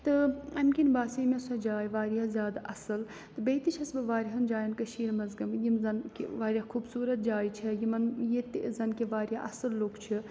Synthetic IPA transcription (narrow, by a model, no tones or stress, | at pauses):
t̪ɨɐmkʲinbaːsiːmʲɐsɐd͡ʒaːjiʋaːɾiazʲjaːd̪ɐsɨl | t̪ɨbeːt̪it͡ʃʰɐsbɨʋaːɾiɦɐnd͡ʒaːjɐnkɐʃiːɾmɐzɡɐmjimzɐnkʋaːɾʲjakʰubsuːɾɐt̪̚d͡ʒaːit͡ʃʰijimɐnjit̪izɐnkeʋaːɾjaʔɐsɨlːoːkt͡ʃʰi